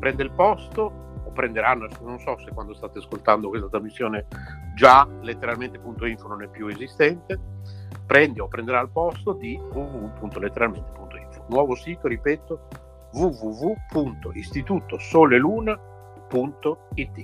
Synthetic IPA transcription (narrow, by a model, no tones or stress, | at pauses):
pɾɛnd̪eilpɔst̪oː | pːɾend̪eɾanosnonsɔsekwand̪ost̪aːt̪easkolt̪and̪okwest̪at̪ɾamisːjoːned͡ʒalet̪ːeɾalment̪epunt̪oiɱfononɛpːjuezist̪ɛnt̪epɾɛnd̪iopːɾend̪eɾailpɔst̪od̪ivuvupunt̪olet̪ːeɾalment̪e̥punt̪oiɱfo̥nwɔːvosiːt̪oɾipɛːt̪o | vuvuvupʰunt̪oʔist̪it̪uːt̪osoːleluːna | punt̪oit̪ːi